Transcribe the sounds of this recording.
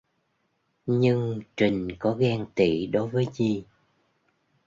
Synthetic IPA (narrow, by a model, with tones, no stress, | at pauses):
ɲɨ˧ŋt͡ɕï˨˩ŋ̟kɔ˨˦ɣɛ˧ŋt̪ḭ˧˨ɗo˨˦jvəː˨˦jzi˨˩